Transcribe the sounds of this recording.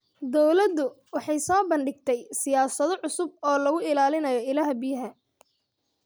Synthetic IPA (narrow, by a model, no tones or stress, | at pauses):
d̪ɔwlɐd̪ʊwɑħɑjsɔːbɐɳɖɪɡt̪ʰɛjsɪjaːsɐðɔʕʊsʊb̚ɔːlɐɣʊɪlaːlɪnɐjɔɪlɐɦɐbɪjɐɦɐ